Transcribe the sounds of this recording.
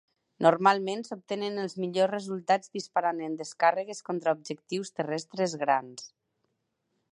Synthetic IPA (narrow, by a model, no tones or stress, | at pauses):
noɾmalˠmẽnsop̚t̪enənəlˠzmiʎosrezulˠt̪ad͡zd̪ispaɾanend̪əskarəɣeskont̪ɾaub̚d͡ʒəkt̪iwst̪ərɛst̪ɾezɣɾa̰ns